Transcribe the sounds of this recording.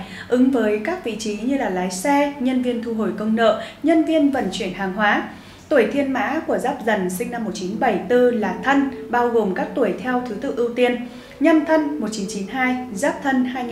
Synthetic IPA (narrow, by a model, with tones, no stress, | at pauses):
ʔɨ˨˦ŋvəː˨˦jkaː˦˥k̚vḭ˧˨t͡ɕi˨˦ɲɨ˧laː˨˩laː˨˦jsɛ˧ɲə˧nvi˧ənt̪ʰu˧ɦo˧˩jkə˧wŋ͡mnə̰ː˧˨ɲə˧nvi˧ənvə̰˧˨˩nt͡ɕwi˧˩ənhaː˨˩ŋɦwaː˨˦ | t̪u˧˩əjt̪ʰi˧ənma̰ː˧˥ku˧˩əzaː˦˥p̚zə˨˩nsï˧ŋna˧mːo˨˩t̚t͡ɕi˨˦nɓə˧˩jt̪ɨ˧laː˨˩t̪ʰə˧nɓaː˧wɣo˨˩mkaː˦˥k̚t̪u˧˩əjt̪ʰɛ˧wt̪ʰɨ˨˦t̪ɨ̰˧˨ʔi˧wt̪i˧ən | ɲə˧nt̪ʰə˧nmo˨˩t̚t͡ɕi˨˦nt͡ɕi˨˦nɦaː˧jzaː˦˥p̚t̪ʰə˧nhaː˧j